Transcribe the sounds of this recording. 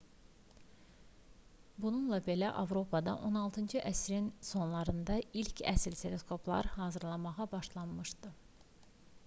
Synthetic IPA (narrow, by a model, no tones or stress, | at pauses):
bununlˠɑbe̞læʔɑ̰vɾo̞pʰɑd̪ɑ̰ʔo̞nɑlˠt̪ʰɯnd͡ʒɯʔæsɾinso̞nlˠɑɾɯnd̪ɑilcʰæ̰slt̪ʰe̞le̞skʰo̞plˠɑ̰ɾhɑːzɯɾlˠɑmɑʁɑbɑʃlˠɑnmɯʃd̪ɯ